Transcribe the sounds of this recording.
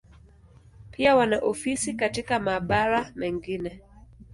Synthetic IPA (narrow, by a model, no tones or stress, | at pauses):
pʰiawanaʔɔfisikatikamaːɓaɾamɛŋɡinɛ